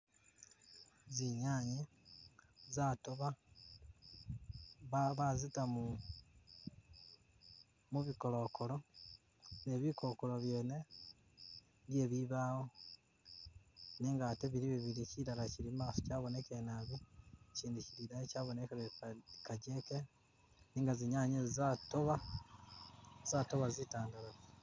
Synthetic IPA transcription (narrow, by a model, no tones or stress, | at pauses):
ziɲaɲe | zatoβa | ββazitamu | muβiko̞lo̞kʰolo | neβikokoloβje̞ːne | ndjeβiβaːwo | niːŋɡateβiɾiβiβiɾiciɾalaciɾimaːsocaːβone̞kenaβuciːndiciɾiɾajecaːβonekeɾekaɟeke | niːŋɡaziɲaɲezizatoβa | zatoβazitaːndaɾazi